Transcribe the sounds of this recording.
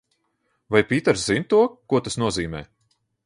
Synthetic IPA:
vajpʲiːt̪ɛɾszint̪uɔkuɔt̪asnuɔziːmɛ̰ː

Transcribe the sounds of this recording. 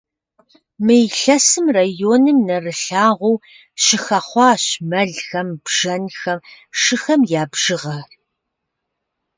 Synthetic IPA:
mɨjɬɐsɨmraːjoːnɨmnɐrɨɬaːʁʷɔw | ʃɪxɐχʷɑːɕmɐɮxɐmb̥ʒ̥ɐnxɐm | ʃɪxɐmjaːbʒ̥ɨʁɐr

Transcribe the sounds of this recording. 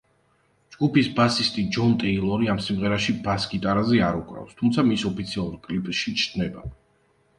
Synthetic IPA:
d͡ʒɡupisbasist̪ʼid͡ʒɔnt̪ʼɛilˠɔɾiamsimʁɛɾaʃibasɡit̪ʼaɾazɛaɾukʼɾa̰fst̪ʰumt̪sʰamisɔpʰit̪sʰialˠuɾkʼlipʼʃit͡ʃʰd̪nɛba̰

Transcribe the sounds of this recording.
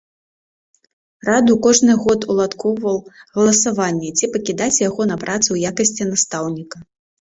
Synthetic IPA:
rad̪ukɔʐnɨɣɔt̪ulˠat̪kʰɔwvɐwɣɐlˠɐsavanʲːɛt͡sʲipɐkʲid̪at͡sʲjaɣɔnɐpɾʔat̪sɨwjakɐsʲt͡sʲinast̪awnʲikɐ

